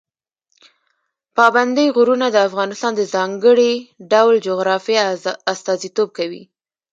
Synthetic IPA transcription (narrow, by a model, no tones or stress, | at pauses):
pɑband̪əjɣuɾunad̪əafɣɑnɪst̪ɑnd̪əzɑŋɡəɽiɖawld͡ʒoɣɾɑfijaast̪ɑzit̪ob̚kawḭ